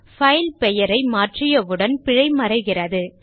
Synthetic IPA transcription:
fɐɪlpɛjɐɾɐɪmaːʈrɪjɐʋɯɽɐnpɪɻɐɪmɐɾɐɪɣɪrɐðɯ

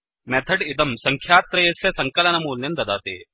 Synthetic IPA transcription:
mɛt̪ʰɐɖid̪ɐmsɐŋkʰjaːt̪ɾɐjɐsjɐsɐŋkɐlɐnɐmuːlnɐnd̪ɐd̪aːt̪ḛː

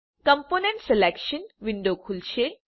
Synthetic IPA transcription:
kəmponẽɳʈselekɕənʋiɳɖokʰulɕe

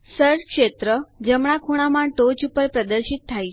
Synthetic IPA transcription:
səɾɾkʃet̪ɾəd͡ʒəmɳ̃akʰoɽ̃amãʈot͡ʃupəɾpɾəd̪əɾʃit̪̚ʰːaj

